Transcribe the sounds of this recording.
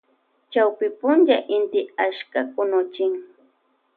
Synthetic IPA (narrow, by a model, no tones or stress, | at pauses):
t͡ʃawpɪpʊnt͡ʃaʔɪnt̪ɪaʃkakʊnʊt͡ʃɪŋ